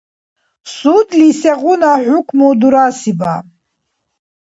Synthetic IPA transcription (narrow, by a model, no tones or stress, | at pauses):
sud̪lisɛʁʷʊnaħʷʊkʷʰmud̪uɾasiba